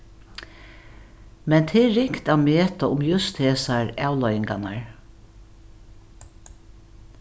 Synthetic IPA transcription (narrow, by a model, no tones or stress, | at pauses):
mɛnt̪ʰɪɾɪŋkt̪ameːt̪aʊmjʊst̪heːsaɹaːwlɔjɪŋkana̰ɹ